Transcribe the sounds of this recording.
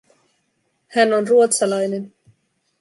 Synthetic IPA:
hænonruot̪sɑlɑjne̞n

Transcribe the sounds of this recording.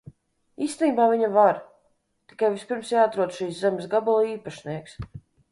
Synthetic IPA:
iːst̪niːbaːviɲavaɾ | t̪i̥kajvispiɾmsjaːat̪ɾuɔd̪ʃiːszɛmesɡabulˠiːpaʃniɛks

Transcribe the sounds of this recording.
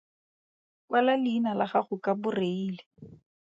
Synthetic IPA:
kʼwalalɪːnalaχaχʊkʼabʊreiːle

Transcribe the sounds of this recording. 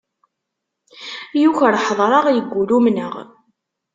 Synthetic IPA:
juçɾħðˤɾˤɑʁjəɡːulumnə̰ʁ

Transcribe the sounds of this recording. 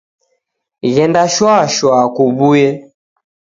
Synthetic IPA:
ɣɛndaʃwaʃwakubujɛ

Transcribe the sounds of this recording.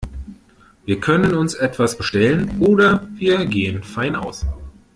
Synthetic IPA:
viːɐkʰœnənʊnsʔɛtv̥asb̥əʃtɛlənʔoːdɐviːɐɡeːənfaɪna̰ʊs

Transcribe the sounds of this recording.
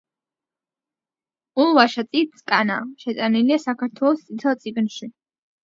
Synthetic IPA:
ulˠvaʃat̪sʼit̪sʼkʼana̰ʃɛt̪ʼaniliasakʰaɾt̪ʰwɛlˠɔst̪sʼit̪ʰɛlˠt̪sʼiɡnʃi

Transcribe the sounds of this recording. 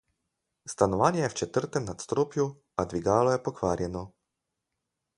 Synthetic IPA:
st̪anɔʋaːnjɛjɛwt͡ʃɛt̪əɾt̪ɛmnat̪st̪ɾoːpju | ad̪ʋiɡaːlɔjɛpɔkʋaːɾjɛnɔ

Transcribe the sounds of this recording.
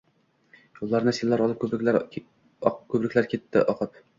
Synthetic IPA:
jolˠːɑɾnɪsielːæɾɒlˠɨp̚kʲʰɾ | kʰʲɵbɾɪkʲlæɾkʲʰet̪ʰːɪ̰ʔɒqʰɨp

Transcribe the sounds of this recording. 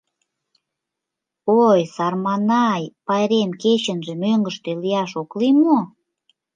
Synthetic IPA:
ojsɑrmɑnɑjpɑjɾemket͡ɕə̆nʒĕmøŋɡəʃt̪elijɑʃoklimo

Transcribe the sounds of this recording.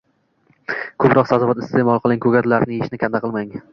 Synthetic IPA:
kʰɵpɾɒqsazɒvat̪ɪst̪emɒlˠqʰɨlˠɪŋkʰɵɡʲat̪laɾnɪeʃnɪkʲʰand̪aqʰɨlˠmaŋ

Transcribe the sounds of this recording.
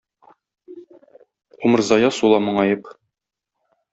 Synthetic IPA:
umɤ̆ɾzɑjɑsulˠɑmɤ̆ɴɑjɤp

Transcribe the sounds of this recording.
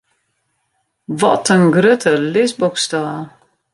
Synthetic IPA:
vɔ̰tənɡɾøtʰəlɪsbɔkstɑː

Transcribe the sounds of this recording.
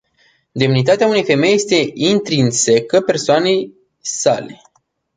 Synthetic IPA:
d̪e̞mnit̪̬at̪eaune̞jfe̞me̞jːe̞st̪e̞int̪ɾinse̞kəpe̞rsoane̞j | sa̰le̞̰

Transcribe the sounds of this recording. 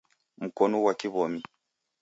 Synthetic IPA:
m̩kɔnɔwakiβɔmi

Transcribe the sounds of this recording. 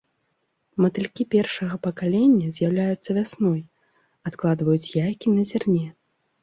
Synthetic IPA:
mɐt̪ɨlʲkʲipʲɛrʂɐɣɐpɐkalʲɛnʲːɐzʲjawlʲajut̪sːɐvʲasnɔj | at̪klˠad̪vɐjut͡sʲjajkʲinɐzʲarnʲɛ

